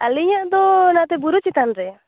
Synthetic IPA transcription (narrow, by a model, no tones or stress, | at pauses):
aliɲaʔd̪ɔnat̪ɛbuɾut͡ʃit̪anɾɛ